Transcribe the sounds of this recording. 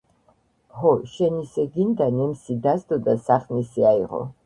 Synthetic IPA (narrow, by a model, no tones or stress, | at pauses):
hɔʃɛnisɛɡind̪anɛmsid̪azd̪ɔd̪asaχnisiaiʁɔ̰